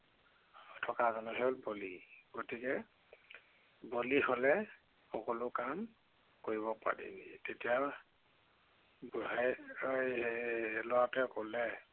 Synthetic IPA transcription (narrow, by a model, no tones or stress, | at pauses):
tʰɔkazɔnɛɦɔlboliɡ̥otikɛ | boliholɛ | xɔkɔlʊkam | koɹiβɔpa̰ɹḭnitetijaw | bɦɛj | lɔwatɛkolɛ